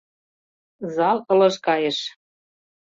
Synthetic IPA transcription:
zɑlɤ̆lɤ̆ʃkɑjeʃ

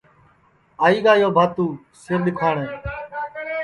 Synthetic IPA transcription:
aːiːɡaːjoːbʱaːt̪uː | sɪɾɗɪkʰaːɳẽː

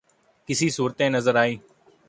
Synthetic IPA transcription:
kɪsiːsuːɾt̪ẽːnəzəɾaːiː

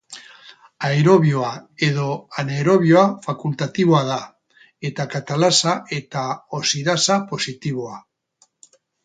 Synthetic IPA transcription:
aeɾoβjoaeð̞oaneɾo̞βjoafakult̪at̪iβoaða | et̪akat̪alasaʔet̪aosiðasapo̞sit̪iβ̞oa

